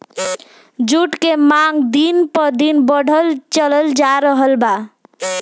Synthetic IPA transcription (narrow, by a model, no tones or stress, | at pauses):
d͡ʒuʈkemaŋɡd̪inpɔɾd̪inbɔɽʱəlt͡ʃələld͡ʒaɾəɦəlba